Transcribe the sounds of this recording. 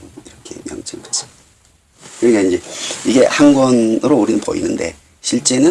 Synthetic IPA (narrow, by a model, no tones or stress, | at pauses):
iɾʌkʰemjʌŋt͡ɕʰɯŋpasʌ̥ | kɯɾɡinaind͡ʑe̞iɡe̞hanɡwʌnɯɾouɾinɯnpo̰ḭnɯnde̞̰ | ɕʰiɭt͡ɕ͈e̞nɯ